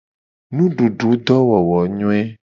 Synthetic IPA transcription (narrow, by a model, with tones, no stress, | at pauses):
nũ˦ɖu˨ɖu˨˦d̪ɔ˦wɔ˨wɔ˨ɲɔ̃˦ɛ˦